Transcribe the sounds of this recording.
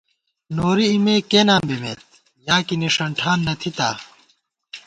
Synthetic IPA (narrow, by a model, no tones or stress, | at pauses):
noːɾiːmeːkeːnaːmbimḛːt̪̚ | jaːkiniʂɐɳʈʰaːnːɐt̪ʰit̪a̰ː